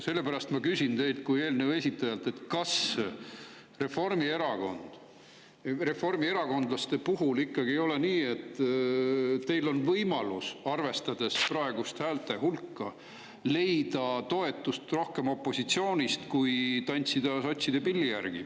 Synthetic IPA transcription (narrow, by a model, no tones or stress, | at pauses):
se̞lːe̞pæɾɑst̪mɑkysʲint̪e̞jlt̪̚kuje̞ːlnewe̞sʲit̪ːˑɑjɑlt̪ːˑe̞t̪ːˑkɑs | re̞fo̞rmie̞ɾɑko̞̰nd̪̥ | re̞fo̞rmie̞ɾɑko̞nd̪̥lɑst̪e̞puɦulikːɑɡiejo̞le̞niːe̞t̪ːˑ | t̪e̞jlo̞nvɤjmɑlusɑrve̞st̪ɑd̪e̞sprɑeɡ̥ust̪hæːlt̪e̞ɦulkːɑ | le̞jd̪̥ɑt̪o̞e̞t̪ːˑust̪ro̞hke̞mo̞pːˑo̞sit̪sio̞ːnʲist̪kujt̪ɑnʲt̪sid̪̥ɑso̞t̪ʲsid̪e̞pilːijærɡ̥i